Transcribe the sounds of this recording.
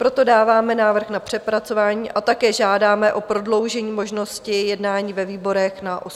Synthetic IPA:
pɾo̞t̪o̞daːvaːmɛnaːvr̩xnapr̝̥ɛpɾat͡so̞vaːɲiːʔat̪akɛːʒaːdaːmɛʔo̞pɾo̞dlo̞wʒɛɲiːmo̞ʒno̞scɪjɛdnaːɲiːvɛviːbo̞ɾɛxnaʔos

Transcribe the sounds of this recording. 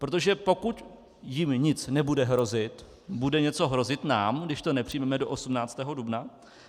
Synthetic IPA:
pɾot̪̬o̞ʒɛpo̞kut̪ | jɪmɲɪt͡snɛbudɛɦɾo̞zɪt̪ | budɛɲɛt͡so̞ɦɾo̞zɪt̪naːmɡdɪʃt̪o̞nɛpr̥ɪjmɛmɛdo̞ʔosumnaːt͡st̪ɛːɦo̞dubna

